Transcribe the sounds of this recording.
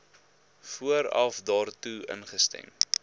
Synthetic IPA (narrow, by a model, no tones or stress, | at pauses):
fuəɾɐ̰fdɑːrtuə̰nχəstɛ̰m